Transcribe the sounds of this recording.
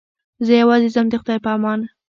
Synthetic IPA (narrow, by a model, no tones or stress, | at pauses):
zəjawɑzɪzamd̪exʊd̪ɑjpəamɑna